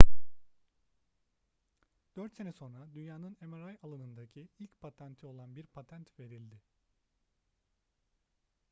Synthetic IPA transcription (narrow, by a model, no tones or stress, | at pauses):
d̪̥øɾt̪se̞nɛso̞nɾad̪ynjaːnɯne̞meɾajalˠanɯnd̪acʰiilʲcpʰat̪ʰænt̪ʰio̞lˠanbiɾpʰat̪ʰænt̪ve̞ɾilʲd̪ɪ